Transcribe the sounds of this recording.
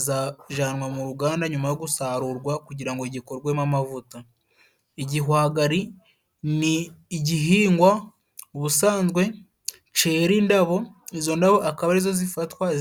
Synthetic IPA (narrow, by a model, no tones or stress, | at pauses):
zaʒanwamuɾuɡaːndaɲumajo̞ɡusaːɾuɾɡwakuɟiɾaŋɡo̞iɟiko̞ɾɡwemamavuta | iɟiɦwaːɡaɾi | niɟiɦiːŋɡwa | βusaːnzɡwe̞ | t͡ʃe̞ːɾindaβo̞izo̞ndaβo̞ʔakaβaɾizo̞zifatwa